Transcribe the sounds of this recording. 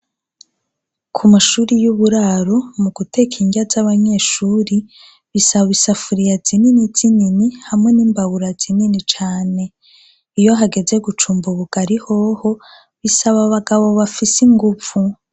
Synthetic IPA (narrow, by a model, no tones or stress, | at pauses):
kʰumaʃuːɾijuβuɾaɾomuɡute̞kʰiɲɟazaβaɲe̞ːʃuːɾi | βisaββisafuɾijazininiz̥ininihamŋe̞niːmbawuɾazininit͡ʃaːne̞ | ijo̞ɦaɡe̞ze̞ɡut͡ʃuːmbuβuɡ̥aɾiho̞ho̞ | βisaβaβaɡaβo̞βafisiŋɡuv̥u